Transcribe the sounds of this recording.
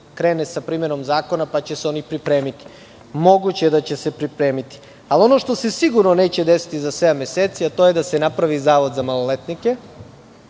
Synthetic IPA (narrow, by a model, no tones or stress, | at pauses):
kɾeːnesapɾiːme̞no̞mzaːko̞napat͡ɕe̞seo̞nipɾipɾe̞ːmit̪i̥ | mo̞ɡut͡ɕeed̪at͡ɕese̞pɾipɾe̞ːmit̪i̥ | alio̞no̞ʃt̪o̞sesiɡuɾnone̞ːt͡ɕe̞d̪esi̥t̪izasʋeameseːt̪siat̪o̞jed̪asenapɾaʋizaːʋo̞d̪zamalolet̪nike̞